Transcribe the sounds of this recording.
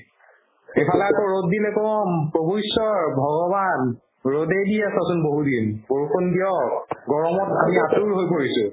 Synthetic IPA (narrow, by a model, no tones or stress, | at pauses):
epʰalɛakɔɹotdinɛkɔmpɹobujsɔɹbʱɔɡɔban | ɹodejdiasɔsʊnboɦudinboɹukʰondiɔɡɔɹɔmɔtamiatuɹɦojpoɹisʊ